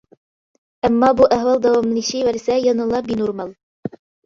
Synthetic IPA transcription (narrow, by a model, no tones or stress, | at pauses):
æmːɑbuʔæɦwɑlˠd̪æwɑmniʃɘjwæɾsæjɑnɤ̆lˠɑbinuɾmɑlˠ